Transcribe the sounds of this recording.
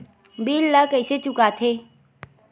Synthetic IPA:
biːlːəkəɪset͡ʃʊkaːt̪ʰeː

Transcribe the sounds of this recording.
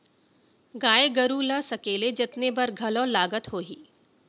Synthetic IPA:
ɡaːeɡɐɾuːlasɐkeːled͡ʒɪt̪nebɐɾɡʱɐlõːlaːɡət̪ɦoːɦiː

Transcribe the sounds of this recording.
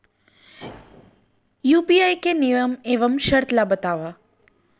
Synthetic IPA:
jupiajkenijəmeʋəmʃəɾt̪labət̪aʋa

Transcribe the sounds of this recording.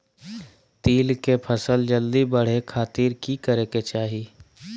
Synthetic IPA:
t̪iːlkepʰəsəld͡ʒəld̪ibəɽ̤ekʰaːt̪iːɾkikəɾeːket͡ʃaːɦiː

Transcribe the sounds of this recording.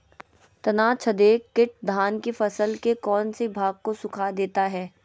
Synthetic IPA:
t̪ɐnaːt͡ʃʰɐd̪eːkːɪʈ̚d̪ʱaːnkifɐsəlkekɔːnsebʱaːɡ̚kosʊkʰad̪eːt̪aɦɛː

